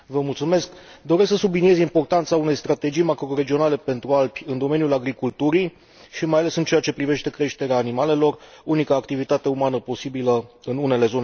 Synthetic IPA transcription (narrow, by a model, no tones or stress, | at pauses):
vəmult̪sume̞skd̪o̞ɾesksəsublinie̞zimpo̞rt̪ant̪saune̞jst̪ɾat̪e̞d͡ʒijmakɾo̞ɾe̞d͡ʒio̞nale̞pe̞nt̪ɾualpʲɨnd̪o̞me̞njulaɡɾikult̪uɾij | ʃimajale̞sɨnt͡ʃe̞jat͡ʃe̞pɾive̞ʃt̪e̞kɾe̞ʃt̪e̞ɾeaːnimale̞lo̞runikaːkt̪ivit̪at̪e̞umanəpo̞sibiləɨnune̞le̞zo̞ne